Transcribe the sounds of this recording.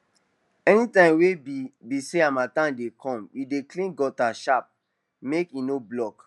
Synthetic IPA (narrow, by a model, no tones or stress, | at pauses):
ɛnitãɪ̃mwebiseamatãndekʰɔ̃mideklĩnɡɔtaʃap̚ | mekinoblɔk